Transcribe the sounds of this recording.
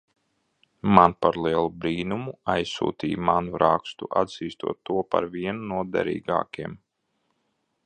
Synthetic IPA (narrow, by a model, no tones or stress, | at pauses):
manpaɾlˠiɛlˠubɾiːnumuajsːṵːt̪iːjmanuɾakst̪ṵʔad̪z̥iːst̪ṵɔt̪ːuɔpa̰ɾviɛnunuɔd̪ɛ̰ɾḭːɡa̰ːkʲiɛm